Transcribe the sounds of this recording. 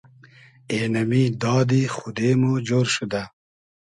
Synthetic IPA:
eːnɐmid̪ɑːd̪ixʊd̪emud͡ʑoːɾʃud̪a

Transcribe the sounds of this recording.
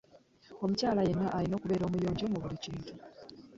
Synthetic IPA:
o̞mucaːlaje̞nːaʔalino̞ːkuβe̞ːɾo̞ːmujo̞ːɲɟo̞muβuliciːntu

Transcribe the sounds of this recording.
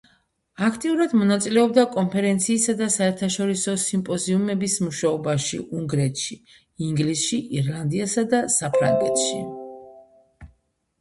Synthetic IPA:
akʰt̪ʼiuɾad̪mɔnat̪sʼilɛɔb̚d̪akʼɔmpʰɛɾɛnt̪sʰiːsad̪asaɛɾt̪ʰaʃɔɾisɔsimpʼɔziumɛbismuʃaɔbaʃḭʔuŋɡɾɛt̪ʰʃi | iŋɡlisʃiʔiɾlˠand̪iasad̪asapʰɾa̰ŋɡɛt̪ʰʃi

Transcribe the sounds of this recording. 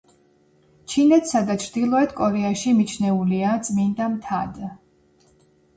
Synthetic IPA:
t͡ʃʰinɛt̪ʰsad̪at͡ʃʰɾd̪ilˠɔɛt̪kʼɔɾɛaʃimit͡ʃʰnɛuliat̪sʼmind̪amt̪ʰad̪

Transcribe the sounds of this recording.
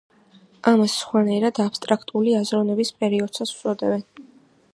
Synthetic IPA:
ʔamassχwanaɛɾad̪apst̪ʼɾakʰt̪ʼuliazɾɔnɛbispʼɛɾiɔd̪̥sat̪sʰu̥sʼɔd̪ɛbɛn

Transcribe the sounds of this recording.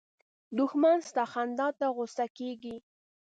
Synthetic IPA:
d̪ʊxmanst̪ɑxand̪ɑt̪aɣʊsakeɡi

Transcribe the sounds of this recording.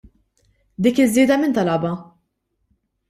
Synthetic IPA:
d̪iːkɪzːɪːd̪ɐmɪnt̪ɐlɐbɐ

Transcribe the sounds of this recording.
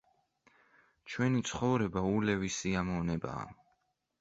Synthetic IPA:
t͡ʃʰwɛnit̪sʰχɔvɾɛbaulɛvisiamɔvnɛba̰ː

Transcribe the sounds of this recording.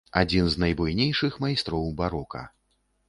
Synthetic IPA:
a̰d͡zʲinznɐjbujnʲejʂɨxmajst̪ɾɔwbaɾɔkɐ̰

